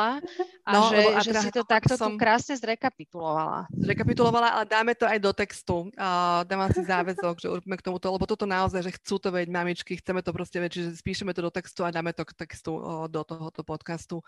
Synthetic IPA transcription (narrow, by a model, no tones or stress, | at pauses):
aanɔʒlɛbɔat̪ʒɛɛasit̪ɔt̪akt̪ɔsɔmkɾaːsɲɛzɾɛkapit̪ulɔʋa̰la̰zɾɛkapit̪ulɔʋalaʔa̰lɛd̪aːmɛt̪ɔajd̪ɔt̪ɛkst̪ud̪aːaasizaːʋɛzɔɡʒɛṵɾɔbiːmɛkt̪ɔmut̪ɔlɛbɔt̪ɔt̪ɔnaɔzajʒɛxt͡suːt̪ɔʋɛɟmamit͡ʃkixt͡sɛmɛt̪ɔpɾɔscɛʋɛt͡ʃiʒɛspiːʃɛmɛt̪ɔd̪ɔt̪ɛkst̪uad̪aːmɛt̪ɔkt̪ɛkst̪ud̪ɔt̪ɔɦɔt̪ɔpɔt̪kast̪u